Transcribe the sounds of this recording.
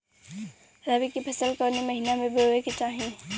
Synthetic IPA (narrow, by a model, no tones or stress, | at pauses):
ɾabikipʰəsəlkəɾneməɦinamẽbəeket͡ʃaːɦĩ